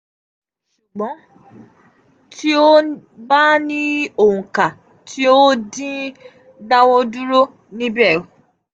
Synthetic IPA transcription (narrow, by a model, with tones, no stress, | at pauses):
ʃu˨ɡ͡bɔ̃˨˦ | tʰi˦o˦ba˦nĩ˦o˨hũ˨ka˨ | tʰi˦o˦dĩ˦ | da˦wɔ˦du˦ɾo˦ | nĩ˦bɛ˦˨